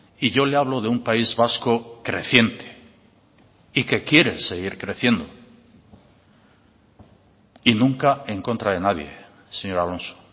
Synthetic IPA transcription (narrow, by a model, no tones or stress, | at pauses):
iʝo̞leaβ̞lo̞ðeumpaizβasko̞kɾe̞θje̞nt̪e̥ | ike̞kje̞ɾe̞se̞ɣiɾkɾe̞θje̞nd̪o̞ | inũŋkae̞ŋko̞nt̪ɾaðe̞naðje̞̰ | se̞ɲo̞ɾalo̞nso̥